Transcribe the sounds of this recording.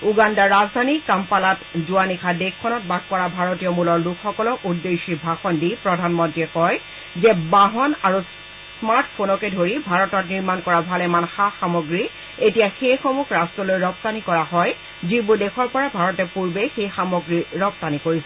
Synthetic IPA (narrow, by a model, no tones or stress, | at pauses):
uɡandaɹazdʱanikampalatzuanikʰadekʰːɔnɔt̚baɡ̚pɔɹabʱaɹɔtijɔmulɔɹlukʰxɔkɔlɔʔudːeʃibʱaxɔndipɹɔdʱanmɔntɹiɛkɔj | zɛbaɦɔnaɹu | smaɹtpʰonɔkɛdʱoɹibʱaɹɔtɔtniɹmankɔɹabʱalɛmanxaxamɔɡɹi | etijaxejxomukʰɹastɹɔlojɹɔp̚tanikɔɹaɦɔj | zibʊdexʰɔɹpɔɹabʱaɹɔtɛpuɹbexejxamɔɡɹiɹɔp̚t̪anikoɹisɛ